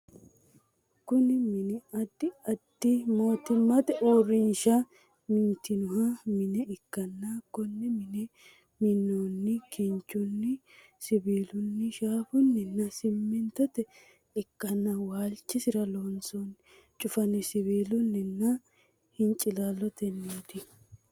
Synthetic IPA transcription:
kʊnɪmɪnɪɐd̪ːɪɐd̪ːɪmo̞ːt̪ɪmːɐt̪ɛʔoːrːɪnʃɐ | mɪnt̪ːɪnʊɦɐmɪnɛɪkːɐnːakːʊnːɛmɪnɛ | mɪnːonːɛkʰɪnt͡ʃːʊnːɪ | sɪbiːlʊnːɪʃaːfʊnːɛnːɐsɪmːɪnt̪ɔt̪ɛ | ɪkːɐnːɐwaːlt͡ʃːɪsɪɾɐlonson | t͡ʃʼʊfɐnɛsɪbiːlʊnːɪnːɐ | hɪnt͡ʃʼɪlaːlːɔt̪ɛnːiːd̪ɪ

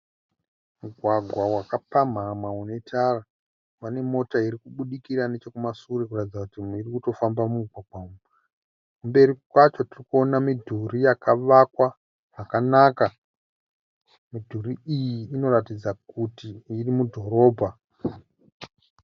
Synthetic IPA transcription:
muɡʱwaɡʱwawakapam̤amaune̞tʰara | wane̞mo̞taiɾikuɓuɗikiɾane̞t͡ʃe̞kumasuɾekuratid͡zakutiirikuto̞fambamuɡʱwaɡwauma | kumbe̞ɾikwat͡ʃo̞tirikuonamidʱurijakaʋakwa | ʐakanaːka | midʱuriijiːno̞ratid͡zakutiːrimudʱo̞ɾo̞ːbʱa

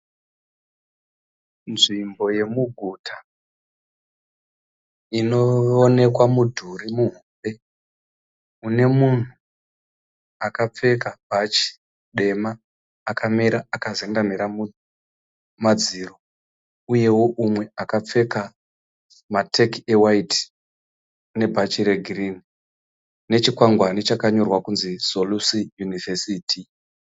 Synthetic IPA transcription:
nʐimbo̞je̞muɡʱutʰḁ | ino̞one̞kwamudʱuɾimuɦube̞ | une̞mun̤u | akap͡fe̞kabat͡ʃi̥ | ɗe̞maː | kamiɾaakazendamiɾamu | mad͡ziːro̞ | uje̞wo̞ʔumwe̞akap͡fe̞ka | matʰekewaiti̥ | ne̞bʱat͡ʃiɾe̞ɡʱrini | ne̞t͡ʃikwaŋɡwane̞t͡ʃakaɲo̞rwakunziz̥o̞lusijunivesiːtʰi

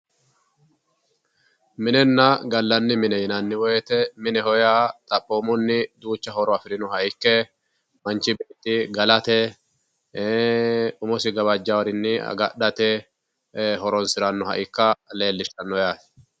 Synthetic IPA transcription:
mɪnɛnːɐɡɐlːɐnːɪmɪnɛjɪnɐnːɪwɔjɛt̪ɛmɪnɛhɔjaːt̪ʼɐpʼːoːmɔnːɪd̪uːt͡ʃːɐhɔɾɔɐfɪɾɪnɔhɐʔɪkːɛ | mɐnt͡ʃːɪbeːt̪ːɪɡɐlɐt̪ɛ | ʊmɔsɪɡɐbɐd͡ʒːɐwɐɾɪnːɪɐ̰ɡɐɗɐt̪ɛ | ɦɔɾɔnsɪɾɐnːɔɦɐ̰ʔɪkːɐle̞ːlːɪʃɐnːɔjaːt̪ɛ̥

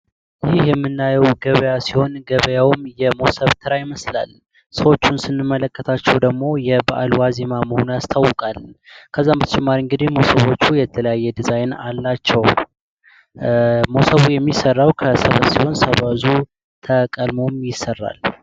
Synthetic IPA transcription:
jɪhjɛmːɨnːajɛwɡəβəjasiho̞nɡəβəjawmjɛmo̞səβt̪ʰɨɾajɪməsla̰l | səwo̞t͡ʃːunsɨnːɨmːələkːət̪ʰat͡ʃːɛwd̪əɡmo̞jɛbəʔalwazemaməho̞nujast̪ʰawːəkʼalkʰəzːamːɨt̪ʰət͡ʃʼɛmːaɾiɨŋɡɨd̪ihmo̞səβo̞t͡ʃːujɛt̪ʰːələjajːɛd̪ɨzajna̰lːat͡ʃːɛw | mosəβujɛmːisərːawkʰəsəβəsiho̞nsəβazu | t̪ʰəkʼəlmomjɪsːərːa̰l

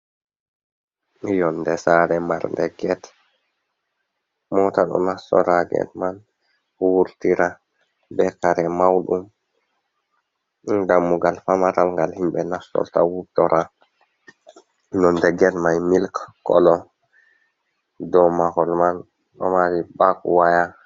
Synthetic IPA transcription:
jɔndɛsaɾɛmaɾndɛɡɛt | mɔtaɗɔ̰nasːɔ̰ɾaɡɛ̰tman | wuɾtiɾa | bɛkaɾɛmawɗum | damːuɡalfamatalŋɡalhimbɛnasːɔ̰ltawutɔɾʔa | nɔndɛɡɛtmajmilkkɔ̰lɔ | dɔmakɔlman | ɗɔ̰maɾibakwaja

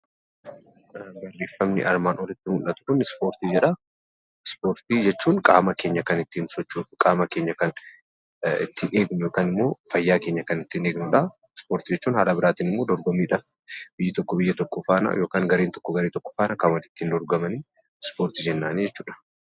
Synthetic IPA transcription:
bɐrːeːfːɐmnɪ̰ʔɐ̰ɾmaːnɔlɪt̪ːɪmʊlʔɐt̪ʊ̥kʊnɪspo̞ːɾt̪iːd͡ʒɛᶑɐ | spo̞ːɾt̪iːd͡ʒɛt͡ʃːuːŋkʼa̰ːmɐkeːɲːɐkɐnɪt̪ːɪnsɔt͡ʃːuːᶑɐkʼaːmɐkeːɲːɐkɐn | ɪ̰t̪ʰːɪʔeːɡnʊjo̞ːkaːnɪmːo̞ːfɐjːaːke̞ːɲːɐkɐnɪt̪ːɪneːɡnʊᶑɐ | spoːɾt̪id͡ʒɛt͡ʃːuːnhaːlɐbɪɾaːt̪iːnɪmːo̞ːd̪ɔɾɡɔmiːᶑaːf | b̥ɪjːɐt̪ɔkːɔbɪjːɐt̪ɔkːɔfaːnɐ̰joːkaːŋɡɐɾeːnt̪ɔ̥kːɔɡɐɾeːt̪ɔkːɔ̥faːnɐkʼaːmɐt̪ɪ̥t̪ːɪnd̪ɔɾɡɐmɐniː | spo̞ːɾt̪id͡ʒɛnːaːnid͡ʒɛt͡ʃːuːᶑɐ̥

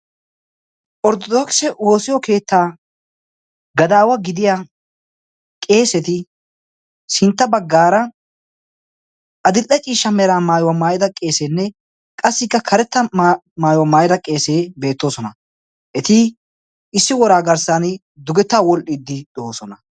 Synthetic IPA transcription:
ʔɔɾt̪ɔd̪ɔksɛwo̞ːsɪjɔke̞ːt̪ːaː | ɡɐd̪aːwɐɡɪd̪ɪja | kʼe̞ːsɛt̪ɪ | sɪnt̪ːɐbɐɡːaːɾɐ | ʔɐd̪ɪlːɛt͡ʃʼiːʃːɐmɛɾaːmaːjwɐmaːjɪd̪ɐkʼe̞ːseːnːɛ | kʼɐsːɪkːɐkʰɐɾɛt̪ːɐ | maːjwɐmaːjɪd̪ɐkʼe̞ːseːbe̞ːt̪ːo̞ːsɔnɐ | ʔɛt̪ɪ | ɪsːɪwɔɾaːɡɐɾsanɪ | d̪ʊɡɛt̪ːaːwɔlʔɪd̪ːɪd̪oːsɔnɐ

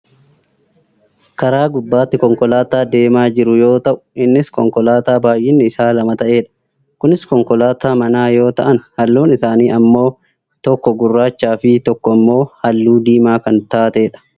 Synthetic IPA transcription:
kɐɾaːɡʊbːaːt̪ːɪkɔŋkɔlaːt̪aːd̪e̞ːmaːd͡ʒɪɾʊjo̞ːt̪ɐʔʊ̥ɪnːɪskɔŋkɔlaːt̪aːbaːjʔɪnːɪɪsaːlɐmɐt̪ɐʔe̞ːᶑɐ̥ | kʊnɪskɔŋkɔlaːt̪aːmɐnaːjo̞ːt̪ɐʔɐnhɐlːuːnɪsaːniːʔɐmːo̞ː | t̪ɔkːɔɡʊrːaːt͡ʃːaːfɪt̪ɔkːɔɐmːo̞ːhɐlːuːd̪iːmaːkɐnt̪aːt̪e̞ːᶑɐ̥

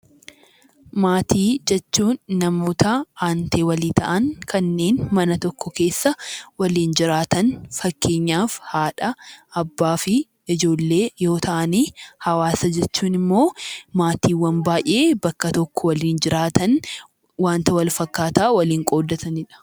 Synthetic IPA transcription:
maːt̪ʰiːd͡ʒɛt͡ʃːuːnːɐmoːt̪ɐʔaːnt̪eːwɐliːt̪ʰɐʔɐŋkʰɐnːe̞ːnmɐnɐt̪ɔkːɔke̞ːsːɐwɐliːnd͡ʒɪɾaːt̪ɐnfɐkːe̞ːɲːaːfhaːᶑɐɐbːaːfɪ | ɪd͡ʒo̞ːlːe̞ːjo̞ːt̪ʰɐʔɐniːhɐwaːsɐd͡ʒɛt͡ʃːuːnɪmːo̞ːmaːt̪iːwɐnbaːjʔe̞ːbɐkːɐt̪ɔkːɔwɐliːnd͡ʒɪɾaːt̪ɐn | waːnt̪ɐwɐlfɐkːaːt̪aːwɐliːŋkʼo̞ːd̪ːɐt̪ɐnɪᶑɐ̥

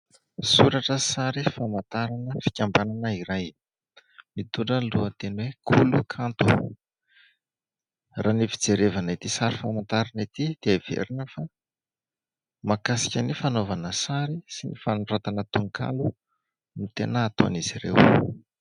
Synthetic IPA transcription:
suɾaʈ͡ʂəsaɾifamant̪aɾanəfi̥kʲambananəiɾaj | mit̪uɳɖ͡ʐənluət̪enwekʰulukʰant̪u | rʔanifi̥d͡zeɾevanit̪isaɾifamant̪aɾanit̪id̪̥eaiv̥ḛɾinəfa | makasi̥kʲənifanovanəsaɾisinifanuɖ͡ʐat̪anət̪uŋkʰa̰lu | nut̪enəːt̪oa̰niziɾḛw

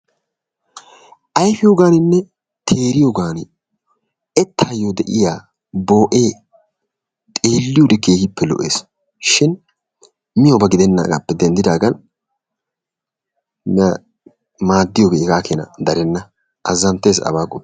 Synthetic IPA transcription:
ʔɐjfɪjoːɡaːnɪnːɛ | t̪ʰe̞ːɾɪjoɡaːnɪ | ɛt̪ʰːaːjod̪ɛʔɪjaː | bo̞ːʔeː | t̪ʼeːlːɪjʊd̪ɛkeːhɪpːɛlɔ̰ʔḛːs | ʃɪn | mɪjobɐɡɪd̪ɛnːa̰ɡɐ̰pːɛd̪ɛnd̪ɪd̪aːɡɐn | mɪɐ | maːd̪ːɪjoːbeɛɡaːkeːnɐ̰d̪ɐɾɛnːɐ | ɐzːɐnt̪ːeːsɐ̰baːkʼɔ

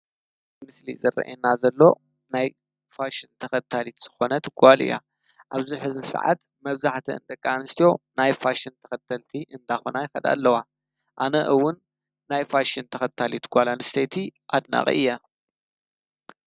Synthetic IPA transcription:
ɨmɨslḭzɨɾɐ̰ʔenazɐlːo̞ | naj | faʃint̪ʰɐxɐt̪ʰalit̪z̥ɨ̥xo̞nɐt̪ɡ̥ʷalɨ̰jːa̰ | ʔaβziħɨzɨsɨ̰ʕa̰t̪ | mɐβzaħt̪ʰiɨ̰nd̪ɐkʼːanɨst̪ʰijo̞najfaʃint̪ʰɐ̥xɐt̪ʰːɐlt̪ʰiʔɨnd̪axonajɪxɐd̪a̰lːɐwa | ʔanɐʔɨwʊnː | ajfaʃint̪ʰɐxɐt̪ʰːalit̪ʰɡ̥ʷalanɨst̪ʰet̪ʰiʔad̪na̰χʼḭʔɨjːa

